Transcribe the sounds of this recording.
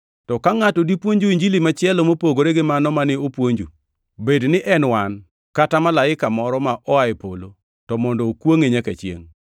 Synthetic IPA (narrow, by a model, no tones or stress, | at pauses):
tɔkaŋatɔdipwoɲd͡ʒuiɲd͡ʒilimat͡ʃjɛlomopoɡoɾeɡɪmanɔmanɪopwoɲd͡ʒu | bednɪʔɛnwan | katamalaɪkamɔɾɔmaʔɔaɪpo̰lo | tɔmɔndɔːkwoŋeɲakat͡ʃjḛŋ